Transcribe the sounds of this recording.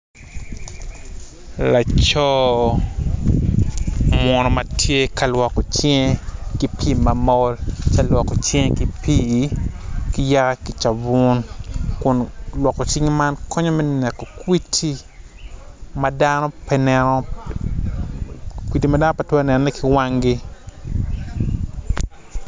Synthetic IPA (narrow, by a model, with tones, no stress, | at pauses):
la˨t͡ʃɔ˦ | mwɔ˨nɔ˨mɐ˨tʰje˦ka˨lwɔ˨kɔ˨t͡ʃŋe˦ki˨pʰi˦ma˨mɔ˦lt͡ʃa˦lwɔ˨kːɔ˨t͡ʃe˦ŋeki˨pʰi˦ | ki˨ja˦ka˦ki˨t͡ʃa˨bu˦nkʊ˨nlwɔ˨kːɔ˨t͡ʃi˦ŋma˦nkʰɔ˦ɲɔ˦mɛ˦nɛ˨kːɔ˨kwi˦tʰi˦ | mɐ˦danɔ˦pɛnɛ˨nɔ˦ | kwi˨ti˨mɐda˦nɔ˦pɐ˨twɛ˦nɛ˨nɔnɛ˦ki˨wa˦ŋɡi˦